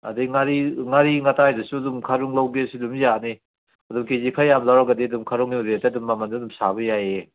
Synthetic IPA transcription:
a̰dijŋaɾiŋaɾiŋatajdɯsudumkʰaɾuŋlawɡesidumjani | adumkezikʰajamlawɾaɡadidumkʰaɾuŋidetedumːamandɯdumsabɐjaje

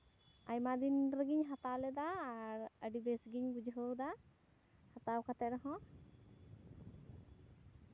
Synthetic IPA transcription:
ajmad̪inɾəɡiɲɦat̪awlɛd̪aːɾəɖibɛsɡiɲɡud͡ʒɦəwd̪a | hat̪awkat̪ɛɾɔɦɔ̃

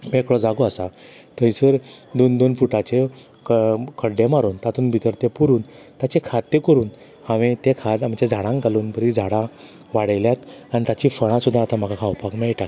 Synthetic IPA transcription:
mekɽɔd͡zaɡoasa | t̪əĩsəɾd̪ond̪onfuʈat͡ɕe | kkʰəɽɖemaɾuːnt̪at̪ʰuːnbʱit̪əɾt̪epuɾuːnt̪at͡ɕekʰad̪̚t̪ːekəɾuːn | haʋẽt̪ekʰad̪amt͡ɕed͡zʱaɽãŋkaluːnpəɾid͡zʱaɽã | ʋaɽjljat̪anit̪at͡ɕifəɽ̃ãsud̪ʱːaːt̪am̤aɡakʰawpakmɛɭʈak

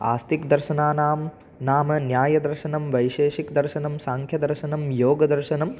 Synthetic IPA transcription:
a̰ːst̪ikd̪ɐɾʃɐnaːnaːm | naːmɐnjaːjɐd̪ɐɾʃɐnɐmʋɐjʃeːʃikd̪ɐɾʃɐnɐmsaːŋkʰjɐd̪ɐɾʃɐnɐmjoːɡɐd̪ɐɾʃɐnɐm

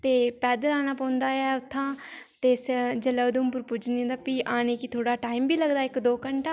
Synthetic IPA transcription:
t̪eːpɛːd̪əɾaːnaːpãːnd̪aːɛːʊt̪ʰːãːt̪eːsd͡ʒələd̪ũːmpʊɾpuːd͡ʒnĩːd̪aːpiːʔaːneːkit̪ʰoːɽaːʈaːimbiːləɡd̪aːɪkd̪oːkəɳʈa

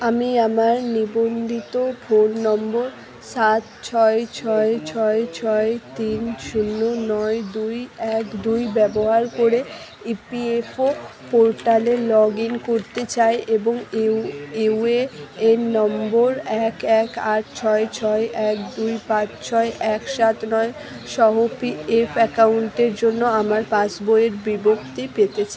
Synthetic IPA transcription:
amiamaɾnibond̪ʱit̪ofʰolnɔmboɾ | sat̪t͡ɕʰɔet͡ɕʰɔet͡ɕʰɔet͡ɕʰɔet̪inʃunːonɔed̪ujɛkd̪ujbɛboɦaɾkoɾe | ipiefʰo | poɾʈalelɔɡiŋkoɾt̪et͡ɕaeʔeboŋ | eweenɔmboɾɛkɛkaʈ̚t͡ɕʰɔet͡ɕʰɔeʔɛkd̪ujpãt͡ɕt͡ɕʰɔeʔɛkʃat̪nɔe | ʃɔɦopiefʰɛkawɳʈeɾd͡ʑonːoamaɾpãt͡ɕbojeɾbibokt̪ipet̪et͡ɕʰa

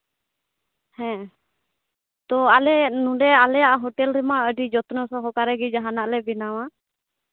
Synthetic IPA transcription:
hɛ̃ | t̪ɔalɛnũɖɛalɛjaʔaɦɔʈɛlɾɛmaəɖid͡ʒɔt̪nɔsɔɦɔkaɾɛɡid͡ʒaɦanaʔlɛbinawa

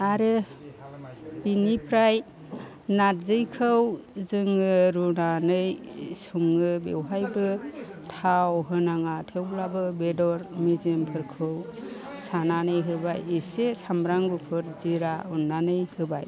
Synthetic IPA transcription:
aɾɯ | binipʰɾaj | natzɯjkʰɯwzɯŋɯɾunanɯjsuŋɯbḛwɦajbɯtʰawɦɯnaŋatʰewlabɯbedɔɾmizɯmpʰɯɾkʰɯw | sananɯjɦɯbajesesamɾaŋɡupʰɯɾziɾaunːanɯjhɯbaj

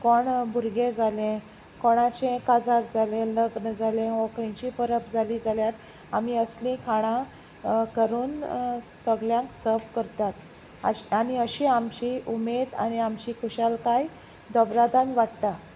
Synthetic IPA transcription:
kɔɳbʱuɾɡẽd͡zʱalẽ | koɽ̃at͡ɕẽkad͡zaɾd͡zalẽləɡnəd͡zʱalẽɔ̃kĩt͡ɕipəɾəpd͡zʱalid͡zaljat̪ | amiːəslĩkʰaɽ̃ã | kəɾuːnsəɡljãŋksəɾbkəɾt̪at̪ | a̰aniəɕĩamt͡ɕiʔumed̪a̰niamt͡ɕiːkʰuɕalkaj | d̪ɔbɾad̪anʋaɽt̪a

